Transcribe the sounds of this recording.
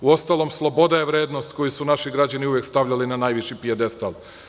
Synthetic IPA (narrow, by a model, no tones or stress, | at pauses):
uo̞st̪alˠo̞mslˠo̞bo̞d̪aje̞ʋɾe̞ːd̪no̞st̪ko̞jusunaʃiɡɾad͡ʑaniujekst̪aʋʎalinanajʋiʃipied̪est̪alˠ